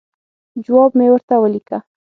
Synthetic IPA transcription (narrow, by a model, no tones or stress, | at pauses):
d͡ʒʊwabmewaɾt̪awalɪka